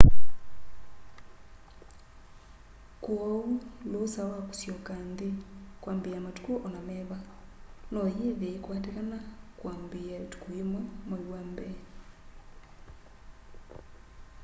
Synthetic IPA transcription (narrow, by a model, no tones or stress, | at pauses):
kwaulosawaku̥sjokandikwaːmbijamatu̥kuʔonamɛβa | nojiβekwaːtekanakwaːmbiatu̥kujimwamowambɛ